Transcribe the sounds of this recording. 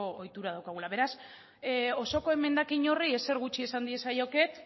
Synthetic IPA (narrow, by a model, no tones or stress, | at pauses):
oojt̪uɾaðawkaɣ̞ulaβe̞ɾas | o̞so̞ko̞e̞me̞nd̪akiɲo̞rie̞se̞ɾɣ̞ut͡ʃiesand̪ie̞sajo̞ke̞t̪